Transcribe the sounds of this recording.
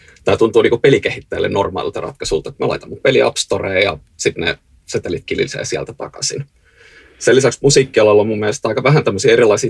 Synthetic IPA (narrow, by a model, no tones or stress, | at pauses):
t̪ɑjt̪unt̪uːniːkupelikehit̪ːæːlːḛnnormɑ̰ːˑlḭlt̪ɑrʔɑ̰t̪kɑsult̪ɑkumelɑ̰it̪ɑmːɑpeliɑ̰pst̪oreːjɑ̰ | sit̪nḛ | set̪ːelit̪̚kilḭlsḛːsiæ̰lt̪æt̪ɑ̰kɑ̰sḭn | selːisæksmusiːkːiɑlɑlːɑmumːieælest̪ɑˑikɑʋæɦænt̪æmːøsiːeɾilːˑɑisiː